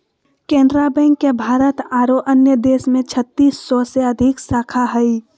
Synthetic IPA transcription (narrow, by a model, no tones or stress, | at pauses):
kẽːnd̪ɾabɛ̃ːŋkːebʱaːɾət̪aːɾoʔənjəd̪eːsmẽt͡ʃʰət̪ːiːsːɔseəd̪ʱɪksaːkʰaɦɛi